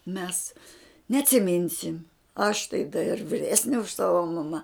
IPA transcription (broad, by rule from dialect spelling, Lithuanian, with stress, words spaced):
mʲɛs nʲɛɐtʲsʲɪˈmʲɪnʲsʲɪm ɐʃ tɐɪ dɐ ɪr ʋʲɪˈrʲæːsʲnʲɛ ʊʃ ˈsɑːʋɐ mɐˈmɐ